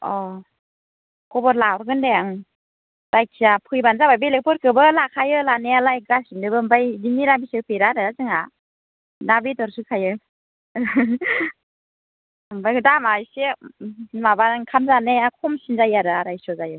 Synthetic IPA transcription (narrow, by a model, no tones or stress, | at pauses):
ɔ | kɔbɔɾlawɾɡɯndejaŋ | dajkʰijapʰɯjbanzabajbelek̚pʰɔɾkʰɯbɯlakʰajɯlanealajɡɾasindɯbɯmbajdiniɾabisepeɾadaɾazɯŋa | nabitɔɾsukʰajɯ | ɯmbajkɯdamajse | mabaɾŋkʰamzaneakʰɔmsinzajaɾɯaɾajsɔzajɯ